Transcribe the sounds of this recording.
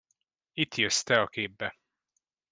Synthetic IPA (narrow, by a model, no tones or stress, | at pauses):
it̪jøst̪ɛɒkeːbːɛ